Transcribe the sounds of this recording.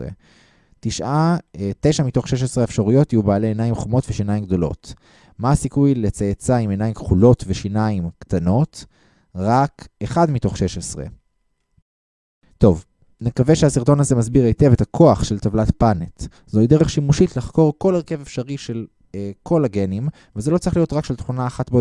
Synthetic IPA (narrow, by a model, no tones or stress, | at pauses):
ḛ | tiʃʔate̞ʃamito̞χʃeʃ̬esʁeefʃaʁujotijubaːleːnajimχomo̞tveʃinajimɡdo̞lo̞̰t | masikujlet͡sajet͡saimenajimkχulo̞tveʃinaimktano̞t | ʁakeχadmito̞χʃe̞ʃesʁḛ | to̞v | nekaveʃehasiʁto̞naze̞mazbiʁejte̞vetakʰo̞aχʃeltavlatpanet | zoid̪eʁe̞χʃimuʃitlaχko̞ʁko̞leʁke̞vefʃaʁiʃe̞l | kʰo̞laɡe̞nim | vezelot͡sʁiχlijo̞tʁakʃelt̪χunaːχatbo